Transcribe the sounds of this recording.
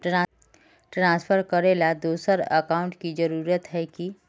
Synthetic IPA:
ʈɾã | ʈɾãːspʰəɾkəɾeːlad̪uːsəɾə̰kaːʊ̃ɳʈkid͡ʒəɾuːɾət̪ɦɛki

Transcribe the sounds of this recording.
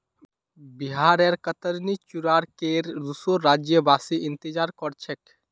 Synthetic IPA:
biɦaɾɛɾkət̪əɾnit͡ʃuɾaɾkeɾdusoːad͡ʒjəbasiʔĩnt̪id͡ʒaɾkɔɾt͡ʃʰɛk

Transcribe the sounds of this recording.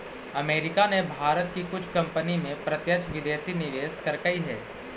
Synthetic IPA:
ɐmeːɾɪkanebʱaːɾət̪̚kikʊt͡ʃʰkɐ̃mpənimẽpɾɐt̪jət͡ʃʰʋɪd̪eːsinɪʋeːskɐɾkəiɦɛ̰ː

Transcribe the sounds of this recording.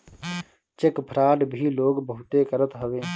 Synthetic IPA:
t͡ʃɪkpʰɾaːɖbʱiːloːɡbəɦʊt̪eːkəɾət̪ɦəʋeː

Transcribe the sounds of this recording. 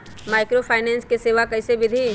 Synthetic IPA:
maːɪkɾopʰaːnɛ̃ːnskeseːʋakɐɪsebɪd̪ʱi

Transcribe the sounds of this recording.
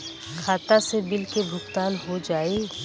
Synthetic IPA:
kʰaːt̪asebɪlkebʱʊkt̪aːnɦod͡ʒaːeː

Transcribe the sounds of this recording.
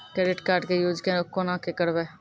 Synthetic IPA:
kɾɛːɖɪʈkaːɾɖkejoːd͡ʒkeʊkːonãːkekəɽʋeː

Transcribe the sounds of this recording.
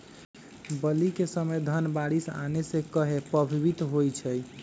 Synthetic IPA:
bəlikesəməjd̪ʱənbaɽisa̰nesekəɦepəbʱibit̪ɦojt͡ʃʰəj

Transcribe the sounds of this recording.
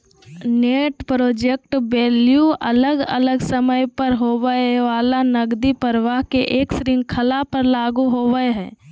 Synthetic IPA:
neːʈpɾoːd͡ʒek̚ʈbeːljuʔələɡə̰ləɡsəməjpəɾɦoːʋəʋaːlanəɡd̪ipəɾʋaːɦkeʔeːksɾɪ̃ŋɡkʰəlapəɾlaːɡuɦoːʋəeɦɛ̃ː

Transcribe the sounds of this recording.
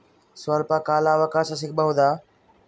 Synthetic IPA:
səlpaːkaːlaːʋəkaːsas̬ɪk̚bəɦʊ̃d̪aː

